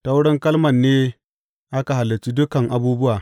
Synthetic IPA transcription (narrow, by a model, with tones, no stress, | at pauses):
ta˦wɽɪ˦ŋkɐ˦lmɐ˨nːeː˦ | ʔa˦ka˨ɦa˨lːɐ˨t͡ʃi˦dʊ˦kɐ˨ŋʔa˨buː˦bʊ˦waː˨